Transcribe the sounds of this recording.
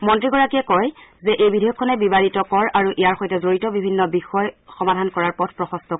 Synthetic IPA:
mɔntɹiɡɔɹakiɛkɔjzɛʔejbidʱejɔkʰːɔnɛbibalitɔkɔɹʔaɹuʔijaɹxɔjtɛzoɹitɔbibʱinːɔbixɔjxɔmadʱankɔɹaɹpɔtʰpɹɔxɔstɔ

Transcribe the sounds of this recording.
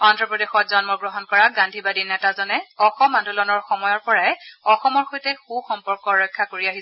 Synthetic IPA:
ɔndɹɔpɹɔdexɔtzɔnmɔɡɹɔɦɔnkɔɹaɡandʱibadinɛtazɔnɛɔxɔmandʱulɔnɔɹxɔmɔjɔɹpɔɹajɔxɔmɔɹxojtɛxuxɔmpɔɹkɔɹɔjkʰːakoɹiaɦi

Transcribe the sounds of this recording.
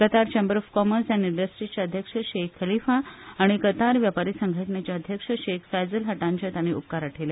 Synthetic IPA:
kət̪aɾt͡ɕembəɾɔfkɔməɾsjaniɳɖəsʈɾit͡ɕjaəd̪ʱjəkʂəɕekʰːəlifaaɽ̃ikət̪aɾʋjapaɾisəŋɡʱəʈɳjat͡ɕjaəd̪ʱjəkʂəɕekfajd͡zəlɦəʈãɲt͡ɕat̪aɽ̃iṵp̚kaɾaʈʰele

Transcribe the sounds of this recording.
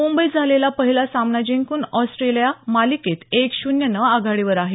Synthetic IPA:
mumbəid͡zʱalelapəɦilasamnad͡ʑeŋkuːnɔsʈɾelijamaliket̪ekɕunjənəaɡʱaɽiʋəɾaɦe

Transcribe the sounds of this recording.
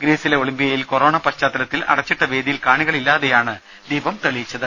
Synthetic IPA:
ɡɾeːsileoɭimbijɐjilkoro̞ːɳɐpɐt͡ɕːaːt̪ːɐlɐt̪ːilɐ̰ɽɐt͡ɕːiʈːɐʋe̞ːd̪ijilkaːɳiɣɐɭilːaːðejaːɳɨ | d̪iːbɐmt̪ɐɭijit͡ɕːɐðɨ

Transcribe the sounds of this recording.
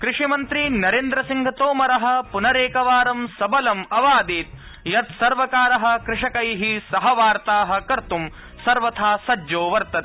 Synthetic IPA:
kɾɪʂimɐnt̪ɾinɐɾeːnd̪ɾɐsiŋɡʱɐt̪oːmɐɾɐɦɐ̆punɐɾeːkɐʋaːɾɐmsɐbɐlɐmɐʋaːd̪iːt̪̚ | jɐt̪sɐɾʋɐkaːɾɐɦɐ̆kɾɪʂɐkɐjɦisɐɦɐʋaːɾt̪aːɦɐ̆kɐɾt̪um | sɐɾʋɐt̪ʰaːsɐd͡ʒoːʋɐɾt̪ɐt̪

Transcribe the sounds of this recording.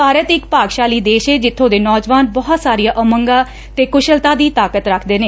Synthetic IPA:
aːɾət̪ɪkpaːɡʃaːliːd̪eːʃɦeːd͡ʒɪt̪ʰːõːd̪eːnɔːd͡ʒʋaːnbɔːɦt̪saːɾijaːʔəməŋɡaː | t̪eːkʊʃəlt̪aːd̪iːt̪aːkət̪ɾəkʰd̪eːneː

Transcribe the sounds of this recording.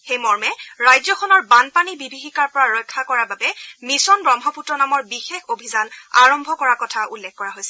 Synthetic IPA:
xejmɔɹmɛɹajzɔxʰɔnɔɹbanpanibibʱixikaɹpɔɹaɹɔjkʰːakɔɹababɛmisɔnbɹɔŋɦɔputɹɔnamɔɹbixexobʱizana̰ɹɔmbʱɔkɔɹakɔtʰaʔulːɛkːɔɹaɦojsɛ

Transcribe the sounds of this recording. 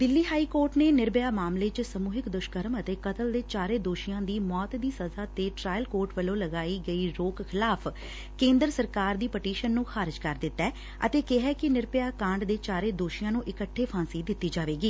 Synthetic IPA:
d̪ɪlːiːɦaːiːkoːɾʈneːnɪɾbɪjaːmaːmleːt͡ʃsəmuːɦɪkd̪ʊʃkəɾəmət̪eːkət̪əld̪eːt͡ʃaːɾeːd̪oːʃijãːd̪iːmɔːt̪d̪iːsəzaːt̪eːʈɾaːjəlkoːɾʈʋəlõːləɡaːiːɡəiːɾoːkkʰɪlaːpʰ | kẽːnd̪əɾsəɾkaːɾd̪iːpəʈiːʃənːũːxʰaːɾɪd͡ʒkəɾd̪ɪt̪ːɛː | ə̰t̪eːkɪɦɛːkɪnɪɾbɪjaːkãːɳɖd̪eːt͡ʃaːɾeːd̪oːʃɪjãːnũːʔɪkəʈʰːeːpʰãːsiːd̪ɪt̪ːiːd͡ʒaːʋeːɡiː

